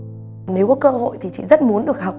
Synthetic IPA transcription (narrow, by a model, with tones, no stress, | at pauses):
ne˨˦wkɔ˨˦kəː˧ho̰˧˨jt̪ʰi˨˩t͡ɕḭ˧˨zə˦˥t̚mu˨˦ənɗɨ˨˩ək̚ha˨˩k͡p̚